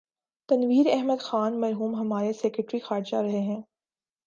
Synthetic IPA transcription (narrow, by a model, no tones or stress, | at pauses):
t̪ɐnʋiːɾɛɦməd̪xaːnmɐɾɦuːmɦɐmaːɾesɛkɾəʈɾixaːɾd͡ʒaɾɐɦeɦɛ̃ː